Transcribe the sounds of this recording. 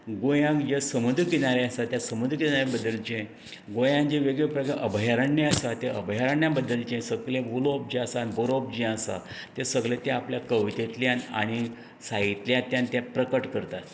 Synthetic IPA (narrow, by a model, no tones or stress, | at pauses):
ɡojãkd͡ʑesəmud̪ʱkinaɾeasat̪jasəmud̪ʱkinaɾabəd̪ːəlt͡ɕẽ | ɡojãnd͡ʑeʋeɡɭepɾəkaʔəbʱjaɾəɳːiasat̪eə̰bʱjaɾəɳjabəd̪ːəlt͡ɕẽsəɡlẽbulop̚d͡ʑiasanboɾop̚d͡ʑeəsa̰ | t̪esəɡɭet̪eapljakəʋt̪et̪ljana̰ɽ̃i | sait̪ljãt̪jãnt̪japɾəkəʈkəɾt̪at̪